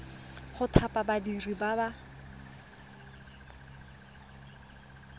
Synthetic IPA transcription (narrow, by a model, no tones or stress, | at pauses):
χʊtʰapʼabadiribaba